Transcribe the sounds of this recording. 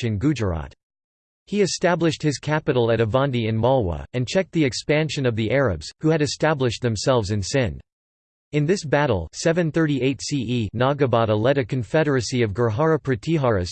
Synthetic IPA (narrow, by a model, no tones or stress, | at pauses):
ɨ̃nɡʉd͡ʒə˞ɑ̰t̚ | hiɨstæblɨʃt̚hɨz̥kʰæpɨɾl̩ˠɨɾɨvɑ̃ndiɨ̃nmɑlˠwə̰ɨ̃nt͡ʃʰɛk̚t̪̚ðiɨkspæ̃nʃɨ̃nʌvðiʔɛɹɨ̰bz̥huɨɾɨstæblɨʃt̪̚ðɨ̃msɛlˠvzɨ̃nsɪ̃n | ɨ̃nðɪsbæɾl̩ˠsɛvɨ̃nθɜ˞ɾieɪtsiʔinɑɡɨbɑɾəlɛɾɨkʰɨ̃ɱfɛɾə˞ɨsiʌvɡə˞ɦɑɹɨpʰɹɨtʰiɦɑɹɨs